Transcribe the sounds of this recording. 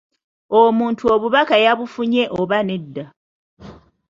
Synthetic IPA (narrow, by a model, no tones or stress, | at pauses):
omuːntʰuoβuβakajaβufuɲe̞ʔoβane̞dːa